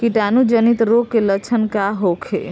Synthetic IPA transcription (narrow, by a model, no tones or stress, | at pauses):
kiʈanud͡ʒənit̪ɾokːelət͡ʃʰənkaɦokʰḛ